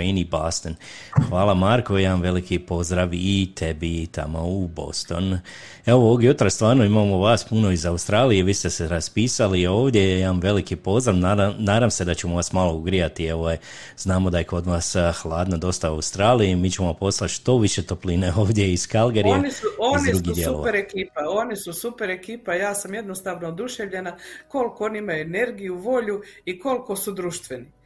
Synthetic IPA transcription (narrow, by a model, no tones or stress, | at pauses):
inibaːst̪en | xʋaːlˠamaɾkojaamʋe̞likipo̞zd̪ɾaʋiit̪ʰe̞bit̪a̰moubo̞̰st̪o̞̰n | eoooɡjut̪ɾast̪ʋaːɾnoimamoʋaːspuno̞izaust̪ɾaːlije̞ʋiːst̪e̞seɾaspiːsalio̞ːʋd̪ʲje̞jamʋe̞likipo̞zd̪ɾaʋnanaːd̪amse̞d̪at͡ɕemoʋasmalˠo̞uɡɾijat̪ie̞ʋoje | z̥naːmo̞d̪aje̞ko̞d̪ʋasxlˠaːd̪nad̪o̞st̪aaust̪ɾaːlijimiːt͡ɕemoampo̞slˠat̪ʃt̪o̞ʋiʃet̪o̞plineo̞ːʋd̪je̞iskalɡeɾijenisuozndɾuɡid̪jeuloapeɾekiːpao̞nisusupe̞ɾekiːpajaːsamje̞d̪nost̪aːʋnood̪uʃeʋʎe̞nako̞lkooniimajuene̞ɾɡijuʋo̞ʎuiko̞lko̞sud̪ɾuʃt̪ʋeni